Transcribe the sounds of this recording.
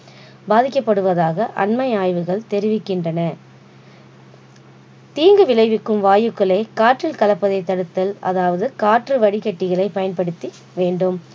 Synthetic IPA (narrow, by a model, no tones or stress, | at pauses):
baːðɪkːɐpːɐɽɯʋɐðaːɣɐʔɐ̰nmɐɪaːjʋɯɣɐɭt̪ɛɾɪʋɪkːɪndrɐnɐ | t̪iːŋɡɯʋɪlɐɪʋɪkːɯmʋaːjɯkːɐɭɐɪkaːʈrɪlkɐlɐpːɐðɐɪt̪ːɐɽɯt̪ːɐlɐ̰ðaːʋɐðɯkaːʈrɯʋɐɽɪkɐʈːɪɣɐɭɐɪpɐjɐnpɐɽɯt̪ːi | ʋeːɳɖɯm